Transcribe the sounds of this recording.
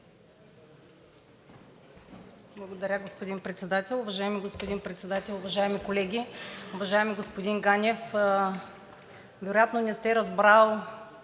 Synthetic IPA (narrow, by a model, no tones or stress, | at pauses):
blˠɐɡod̪ɐɾʲaɡospod̪ʲinpɾɛt̪sɛd̪at̪ʲɛlˠʊvɐʒaɛmiɡospod̪inpɾɛt̪sɛd̪at̪ʲɛlˠʊvɐʒaɛmikolɛɡʲiʊvɐʒaɛmiɡospod̪inɡanʲɛf | vɛɾojat̪nonɛst̪ɛɾɐzbɾalˠ